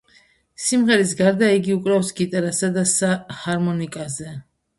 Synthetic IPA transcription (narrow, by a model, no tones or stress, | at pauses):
simʁɛɾis̬ɡaɾd̪aiɡiukʼɾafsɡit̪ʼaɾasad̪asahaɾmɔnikʼazɛ